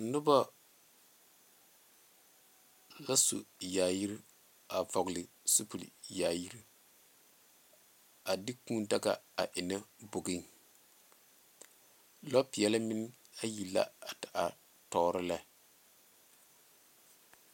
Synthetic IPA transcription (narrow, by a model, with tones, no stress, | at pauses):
nʊ˦ba˦ | la˦sṵ˨jaː˨ji˦ɾi˦ | a˨vɔ˨ɡlɪ˨ | su˦pu˨lḭ˨ja˨ji˦ɾi˦ | a˨dɪ˦kũː˦n˦da˦ɡa̰˨a̰˨ʔɪ˨na˦bo˨ɡi˦n | lɔ˦pɪ˨jɛ˦la˦mɪ˦n˦ | a˦ji˨la̰˦a˨ta˨ʔa˨ | tɔː˨ɾɪ˦lɛ˦